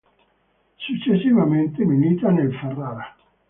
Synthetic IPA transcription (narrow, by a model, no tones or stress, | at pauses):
sut͡ʃːesːivament̪eminiːt̪anelferːaːɾa